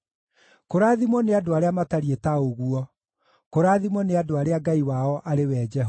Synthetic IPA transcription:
koɾaðimɔneadoaɾeamataɾietaoɣuɔ | koɾaːðimɔneadoaɾeaɡaiwaɔʔaɾewɛd͡ʒɛɦ

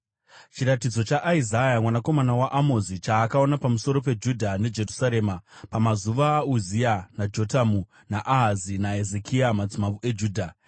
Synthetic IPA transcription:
t͡ʃiɾatid͡zo̞t͡ʃaʔːizajamwanako̞manawaʔamozit͡ʃaːkao̞napamuso̞ɾo̞p̬e̞d͡ʒudʱane̞d͡ʒe̞rusaɾe̞ːmapamazuʋaːuzianad͡ʒo̞tamu | naʔaɦazinae̞zekʰiamad͡zimavue̞d͡ʒuːdʱa

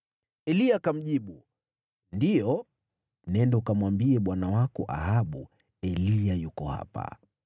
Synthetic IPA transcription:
ɛliakam̩ʄiɓu | ndijɔ | nɛndɛukamwambiɛɓwanawakɔ̰ʔa̰ɦaɓu | ɛliajukɔha̰pa̰

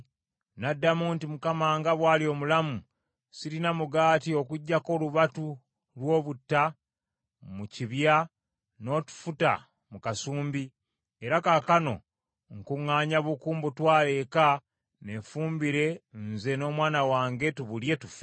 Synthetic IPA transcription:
nadːamuntimukamaːŋɡaβwaːlio̞ːmulamu | siɾinamuɡaːtio̞kuɟːako̞luβatu | lwo̞ːβutːa | muciβja | no̞ːtu̥futa̰ | mukasuːmbi | eɾakakano̞̰ | ŋkuŋːaːɲaβukuːmbutwaːle̞ka | ne̞fuːmbiɾe̞nze̞no̞ːmwaːnawaːŋɡe̞tuβulje̞tufe

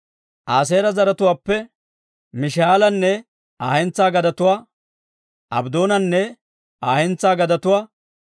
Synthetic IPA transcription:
ʔaːs̬eːɾɐzɐɾɐt̪ʊwaːpːɛ | mɪʃaːlɐnːɛ | aːhɛnt͡saːɡɐd̪ɐt̪ʊwaː | ʔɐbd̪o̞ːnɐnːɛ | aːhɛnt͡sːaːɡɐd̪ɐt̪ʊwaː

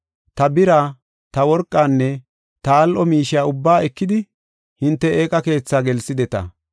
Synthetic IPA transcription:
t̪ɐbɪɾaː | t̪ɐwɔɾkʼːaːnːɛ | t̪ɐːlʔɔmiːʃɪjaːʊbːaːɛkːɪd̪ɪ | hɪnt̪ːɛeːkʼɐke̞ːt͡sːaːɡɛlsɪd̪ɛt̪ɐ̰

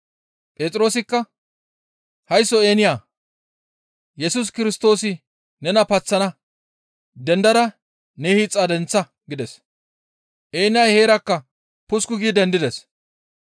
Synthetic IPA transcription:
pʼeːt͡sʼɪɾo̞ːs̬ɪkːɐ | hɐjsːɔe̞ːnɪjaː | jɛsʊs̬kɪɾɪst̪o̞ːsɪ | nɛnɐpɐt͡sːɐnɐ | d̪ɛnd̪ɐɾɐ | nɛhit͡sʼːɐd̪ɛnt͡sːɐ | ɡɪd̪ɛs | ʔe̞ːnɪjaːjhe̞ːɾɐkːɐ | pʊskʊɡiːd̪ɛnd̪ɪd̪ɛs

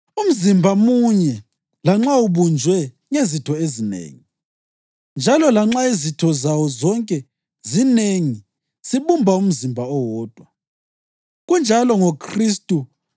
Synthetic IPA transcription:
um̩zimbʱamuɲɛ | laŋ͡ǁauβund͡ʒʱwɛ | ŋezitʰɔezinḛːŋi | nd͡ʒʱalɔlaŋ͡ǁaizitʰɔzawɔzɔŋkʼɛ | zineŋi | siβumbʱaum̩zimbʱaɔwɔːd̥ʱwa | ɣund͡ʒʱalɔŋokʰristʼu

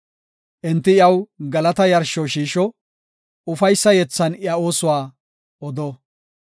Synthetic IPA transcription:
ʔɛnt̪ːɪɪjɐwɡɐlɐt̪ɐjɐɾʃɔʃiːʃɔ | ʊfɐjsːɐjɛt͡sːɐnɪɐo̞ːsʊwaː | ɔd̪oː

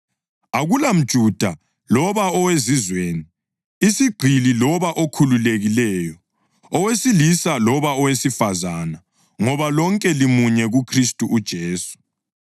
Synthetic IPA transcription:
aɣulam̩d̥ʒ̥ʱud̥ʱa | lɔβaɔwezizweːni | isiɡ͡ǃʱililɔβaʔokʰululeɣilɛːjɔ | ɔwesilisalɔβaɔwesifazana | ŋɔβalɔŋkʼɛlimuɲɛɣukʰristʼuʔːd̥ʒ̥ʱeːsu̥

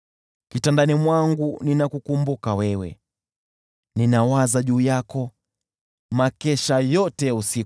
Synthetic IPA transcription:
kitandanimwaŋɡuninakukumbukawɛwɛ̰ | ninawazaʄuːjakɔ | makɛʃajɔtɛusi

